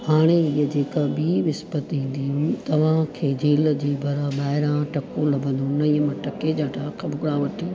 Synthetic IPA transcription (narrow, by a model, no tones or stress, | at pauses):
haːɽ̃eɪɦəd͡ʑeːkabiːʋɪspət̪ĩːn̆d̪iɦmt̪ɐʋ̤ãkʰeːd͡ʑeːld͡ʑiːbʱɐɾaɓaːɦɪɾãʈɐkõlɐbʱə̃nd̪onɐiːəmɐ̃ʈɐked͡ʑaːʈʰakʰɐbʊɡɽaʋɐʈʰiː